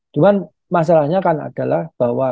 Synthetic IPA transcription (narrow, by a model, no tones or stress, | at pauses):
t͡ʃuman | mas̬alahɲakana̰d̥a̤lahb̥a̤wa